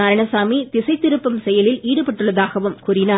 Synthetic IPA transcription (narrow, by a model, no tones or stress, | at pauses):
ɐɾɐɳɐsaːmit̪ɪsɐɪt̪ːɪɾɯpːɐmsɛjɐlɪlʔiːɽɯpɐʈːɯɭːɐðaːɣɐʋɯmkuːɾɪnaː